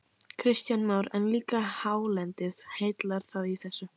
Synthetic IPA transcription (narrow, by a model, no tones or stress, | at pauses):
kʰɾɪst̪janmawɾɛnliːkahaːwlɛnt̪ɪðheːjt̪laɾ̥θaðiθɛsːʏ